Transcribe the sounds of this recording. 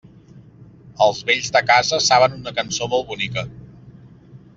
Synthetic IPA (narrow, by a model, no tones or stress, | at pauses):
əlˠzβeʎzðəkazəsaβənunəkənsomolˠβunikə